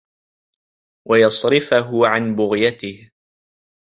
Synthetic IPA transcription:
wʔajɑsˤɾɪfaɦʊʕanbʊɣjat̪ɪh

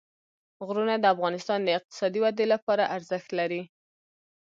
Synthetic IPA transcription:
ɣɾunad̪əafɣɑnɪst̪ɑnd̪əɪq̚t̪ɪ̥sɑd̪iwad̪elapɑɾaʔaɾzəxt̪laɾi

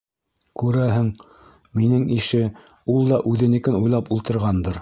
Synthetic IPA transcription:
kʉɾæɦɘŋ | minɘŋiʃɘ | ulˠd̪ɑʔʉðɘ̆nĭkɘnujlˠɑpulˠt̪ɤ̆ɾʁɑnd̪ɤɾ

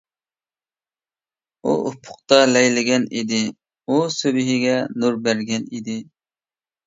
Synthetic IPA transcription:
ṵʔʊpʰʊ̥q̚t̪ɑlɛjlɪɡʲɛnid̪ɪ | usøbɪɦɪɡʲɛnuɾbæɾɡʲɛnid̪ɪ

